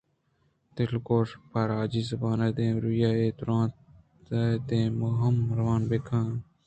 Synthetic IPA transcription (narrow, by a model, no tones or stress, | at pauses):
t̪elkoːʂpɐɾɑːd͡ʑizəbɑːned̪ẽːɾujɑeːt̪uɾɑ̃ːt̪ | ed̪ẽːmoɦɐmɾwɑ̃ːnbekʰãː